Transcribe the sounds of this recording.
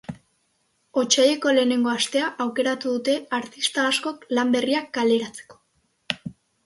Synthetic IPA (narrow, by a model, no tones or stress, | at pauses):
o̞t͡ʃaje̞ko̞le̞ːne̞ŋɡo̞ast̪e̞aʔawke̞ɾat̪uðut̪e̞aɾt̪ist̪aːsko̞klambe̞riakɡale̞ɾat͡se̥ko̞̥